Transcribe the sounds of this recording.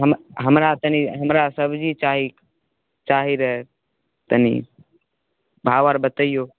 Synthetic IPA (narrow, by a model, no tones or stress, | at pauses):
ɦəmɦəmɾat̪ənĩɦəmɾasəbd͡ʒit͡ʃaːɦi | t͡ʃaːɦiɾəɦ | t̪ənḭ | bʱaːʋaɾbət̪əijo